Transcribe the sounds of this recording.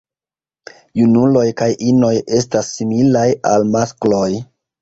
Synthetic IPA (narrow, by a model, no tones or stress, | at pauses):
junulo̞jkajʔino̞je̞stasːimilajalmasklo̞j